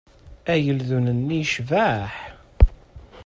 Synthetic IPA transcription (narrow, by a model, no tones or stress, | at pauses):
æjəlðunənːiʃvæħ